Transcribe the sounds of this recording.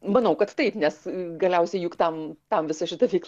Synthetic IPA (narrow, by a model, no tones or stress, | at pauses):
mɐnɐʊkɐt̪t̪ɐɪpnʲɛsɡɐlʲɛʊsʲɛɪjuːkt̪ɐmt̪ɐmʋʲɪsɐʃʲɪt̪ɐʋʲɛɪklˠ